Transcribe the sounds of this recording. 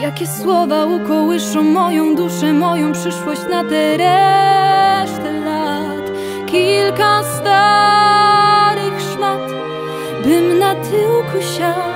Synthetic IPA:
jakʲɛswɔvaukɔwɘʂɔ̃w̃mːɔjɔ̃w̃d̪uʂɛmɔjɔ̃w̃pʂɘʂwɔɕt͡ɕnat̪ɛɾɛ | ʂt̪ɛla | t̪ | kʲilkast̪a | ɾɪxʂlat̪ | bɘmnat̪ʰɘwkʰuɕa

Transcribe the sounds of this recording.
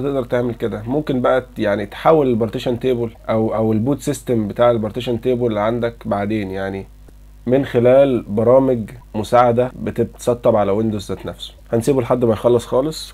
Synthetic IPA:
t̪eʔd̪ɑɾˤt̪eʕmelked̪æmomkenbæʔæjaʕnit̪ħaːwelelbɑɾˤt̪eʃænt̪eːbolʔæwʔæwelbuːt̪sist̪embet̪aːʕelbɑɾˤt̪eʃænt̪eːbollːiʕand̪ækbaʕd̪eːnjaʕni | menxelæːlbɑɾˤɑːmeɡmʊsaːʕad̪æbet̪eb̪̚sˤɑt̪ˤːɑbʕalæwend̪ozːæːt̪næfso̥hænsiːbelħad̪ːmæjxɑlːɑsˤxɑːlesˤ

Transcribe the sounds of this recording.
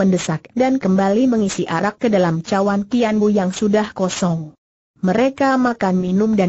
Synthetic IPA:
əndəsak̚dankəmbaliməŋisiʔaɾakːədalamt͡ʃawankianbujaŋsudahkɔsɔŋ | məɾekamakanminʊmda

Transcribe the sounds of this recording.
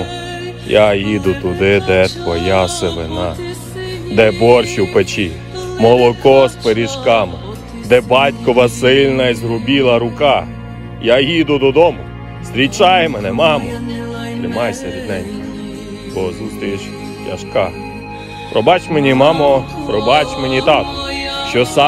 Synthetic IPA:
jajid̪ʊt̪ʊd̪ɪd̪ɛt̪ʋɔjaseʋɪnɑ | d̪ɛbɔrʃiwpet͡ʃi | mɔlˠɔkɔspeɾʲiʃkɑmɪ | d̪ɛbɑtʲkɔʋɐsɪlʲnɐizɦɾʊbʲilˠɐɾʊkɑ | jajid̪ʊd̪ɔd̪ɔmʊ | st̪ɾʲit͡ʃɑjemɛnɛmɑmɔ | st̪ɾɪmɑjsʲɐʋʲid̪nɛnʲki | bɔzust̪ɔjeʃ | jɐ̰ʃkɑ | pɾɔbɑt͡ʃmenʲimɑmɔpɾɔbɑt͡ʃmenʲit̪ɑt̪ɔ̥ʃt͡ʃɔsɑ

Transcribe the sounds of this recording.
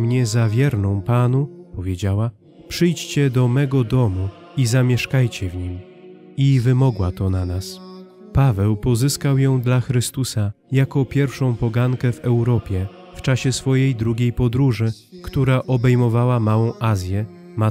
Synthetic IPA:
mɲɛzavʲjɛɾnɔ̃w̃panupɔvʲjed͡ʑawa | pʂɘjt͡ɕt͡ɕɛd̪ɔmɛɡɔd̪ɔmu | izamʲjɛʂkajt͡ɕɛvɲim | ivɘmɔɡwat̪ɔnanas | pavɛwpɔzɘskawjɔ̃w̃d̪laxɾɘst̪usajakɔpʲjɛɾfʂɔ̃w̃pɔɡaŋkɛvɛwɾɔpʲjɛ | ft͡ʂaɕɛsfɔjejd̪ɾuɡʲejpɔd̪ɾuʐɘ | kt̪uɾaʔɔbɛjmɔvawamawɔ̃w̃ʔazʲjɛ | ma

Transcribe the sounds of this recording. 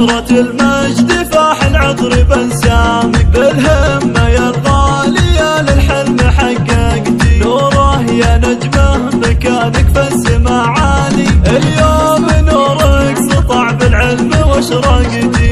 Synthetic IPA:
ɾˤɑt̪ɪlmad͡ʒd̪ifaːħɪlʕɨd̪ˤɾibansamɪk̚balhamːajaɣɑlijalɪlħɪlmaħaɡaɡd̪ioɾˤɑhjanad͡ʒmahmakaːnɪkfasɪmaʕaːniʔɪljoːmɪnoɾˤɑksɨt̪ˤɑʕbɪlʕɪlmwaʃɾˤɑɡɪd̪i

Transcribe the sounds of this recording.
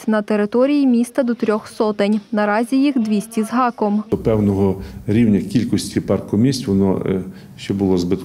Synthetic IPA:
nɐt̪eɾɪt̪ɔɾʲijimʲist̪ɐd̪ɔt̪ɾʲɔxsɔt̪ɪnʲnɐɾɑzʲijixd̪ʋʲisʲtʲizɦɑkɔmɔpɛwnɔɦɔɾʲiwnʲɐkʲilʲkɔsʲtʲipɑrkʊmʲisʲtʲʋɔnɔ̰ | ʃt͡ʃɔbʊlˠɔzbɪt̪

